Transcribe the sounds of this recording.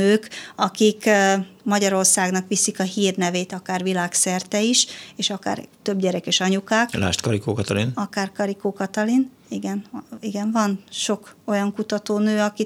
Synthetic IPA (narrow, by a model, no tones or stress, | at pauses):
øːkɒkikmɒɟɒɾo̞rsaːɡnɒkʋisikɒɦiːrnɛveːt̪ɒkaːrʋilaːksɛrt̪ɛiʃeːʃɒka̰ːrt̪ø̞bɟɛɾɛkeːʃɒɲukaːkla̰ːʃt̪kɒɾikoːkɒt̪ɒlinɒkaːrkɒɾikoːkɒt̪ɒlin | iɡɛniɡɛɱvɒnʃo̞ko̞jɒŋkut̪ɒt̪oːnøːɒki